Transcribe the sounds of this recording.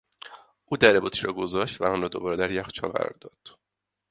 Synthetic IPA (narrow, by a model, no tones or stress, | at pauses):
ʔuːd̪æɾebut̪ʰiɾɒːɡozɒːʃt̪væ̰ɔnrɒːd̪o̞̰bɒːɾed̪æɾjæxt͡ʃʰɒ̰ːlɡæ̰ɾɒ̰ɾd̪ɒ̰d̪̥